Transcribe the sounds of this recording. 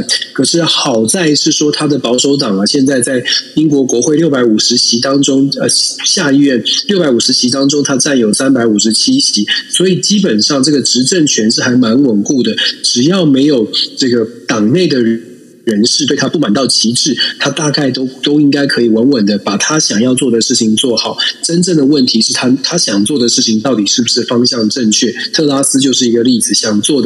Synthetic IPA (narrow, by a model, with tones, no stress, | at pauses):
kʰɤ˨˩ʂɻ̩˥˩xɑ˨˩ʊt͡sa˥˧ɪʂɻ̩˥˩ʂwɔ˥t̪ʰa˥d̪ə˨pɑ˧˥ʊʂo˧˥ʊʈ͡ʂɑ˨˩ŋə˦ɕjɛ˥˧nt͡sa˥˧ɪt͡sa˥˩ɪi˥ŋk̬wɔ˧˥kwɔ˧˥xwe˥˧ɪljpa˧˥ɪu˨˩ʂɻ̩˧˥ɕʰi˧˥t̪ɑ˥ŋʈ͡ʂo˥ŋə˧ɕja˥˧i˥˧ɥɛ˥˩nljʊpa˧˥ɪu˨˩ʂɻ̩˧˥t͡ɕʰi˧˥t̪ɑ˥ŋʈ͡ʂo˥ŋt̪ʰa˥ʈ͡ʂa˥˩njo˨˩ʊsa˥npa˧˥ɪu˨˩ʂɻ̩˧˥t͡ɕʰi˥ɕi˧˥swɔ˧˥i˨˩t͡ɕi˥pə˨˩nʂɑ˥˧ŋʈ͡ʂɤ˥˩ɡə˩ʈ͡ʂɻ̩˧˥ʈ͡ʂə˥˩ŋt͡ɕʰɥɛ˧˥nʂɻ̩˥˩xa˧˥ɪma˧˥nwə˨˩nku˥˩d̪ə˩ʈ͡ʂɻ̩˨˩jɑ˥˩ʊme˧˥ɪjo˨˩ʊʈ͡ʂɤ˥˩ɡə˩t̪ɑ˨˩ŋne˥˩ɪd̪ə˩ɻ | ɻə˧˥nʂɻ̩˥˩t̪we˥˩ɪa˥pu˥˩ma˨˩nt̪ɑ˥˩ʊt͡ɕʰi˧˥ʈ͡ʂɻ̩˥˩t̪ʰa˥t̪a˥˧ka˥˩ɪt̪o˥ʊt̪o˥ʊi˥ŋka˥ɪkʰɤ˧˥i˨˩wə˧˥nwə˨˩nd̪ə˦pa˨˩t̪ʰa˥ɕjɑ˨˩ŋjɑ˥˧ʊt͡swɔ˥˩d̪ə˩ʂɻ̩˥˩t͡ɕʰi˨˩ŋt͡swɔ˥˩xɑ˨˩˦ʊʈ͡ʂə˥nʈ͡ʂə˥˩ŋd̪ə˩wə˥˩nt̪ʰi˧˥ʂɻ̩˥˩t̪ʰa˥t̪ʰa˥ɕjɑ˨˩ŋt͡swɔ˥˩d̪ə˩ʂɻ̩˥˩t͡ɕʰi˨˩ŋt̪ɑ˥˩ʊt̪i˨˩ʂɻ̩˥˩bu˨˩ʂɻ̩˥˩fɑ˥ŋɕjɑ˥˧ŋʈ͡ʂə˥˧ŋt͡ɕʰɥɛ˥˩t̪ʰɤ˥˩la˥sɹ̩˥t͡ɕjo˥˧ʊʂɻ̩˥˩i˧˥ɡə˧li˥˩d͡zɹ̩˩ɕjɑ˨˩ŋt͡swɔ˥˩d̪ə˩